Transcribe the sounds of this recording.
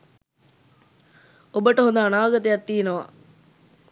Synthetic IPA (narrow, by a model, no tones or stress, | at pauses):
obəʈəɦond̪əanaːɡət̪ejat̪ːiːenoʋa̰